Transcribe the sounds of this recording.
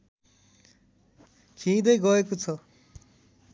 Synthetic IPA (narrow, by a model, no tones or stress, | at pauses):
kʰĩːd̪ʌjɡʌekot͡sʰʌ